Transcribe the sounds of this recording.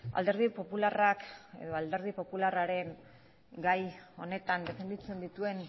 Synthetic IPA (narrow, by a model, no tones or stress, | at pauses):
a̰ld̪e̞ɾðipo̞pularake̞̰ðo̞ald̪e̞ɾð̞ipo̞pularaɾe̞ŋ | ɡajo̞ne̞t̪and̪e̞fe̞nd̪it͡se̞nd̪it̪ue̞n